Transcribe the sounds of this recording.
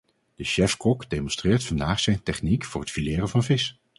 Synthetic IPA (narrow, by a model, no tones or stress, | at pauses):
d̥əʃɛfkɔkdejmɔnstrɪːɹtfɑndaːχsɛjntɛχnikfʊːɹrɦətfilɪːrənvɑnvɪs